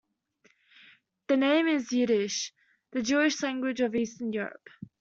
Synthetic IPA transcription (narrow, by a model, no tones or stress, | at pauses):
ðənẽɪ̃mɪzjʉɾɪʃ | ðəd͡ʒuɪʃlãŋɡwɪd͡ʒəviˑstənjɔːɹə̰p